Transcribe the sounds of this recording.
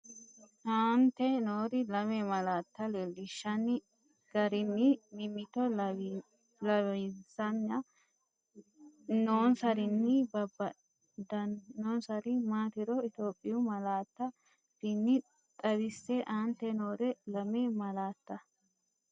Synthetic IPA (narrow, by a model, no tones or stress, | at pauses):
ʔaːnt̪ːɛnoːɾɪlɐmemɐlaːt̪ːɐlelːɪʃːɐnɪ | ɡ̥ɐɾɪnːɪmɪmɪt̪ɔ | lɐwzɐnːɐ | noːnsɐɾɪnːɪbɐbɐ | d̪ɐnːoːnsɐɾɪmaːt̪ɪɾɔɪt̪o̞ːpʼːɪjʊmɐlaːt̪ːɐ | b̥ɪnːɪ | t̪ʼɐbɪsːɛʔaːnt̪ːɛno̞ːɾɛlɐmemɐlaːt̪ːɐ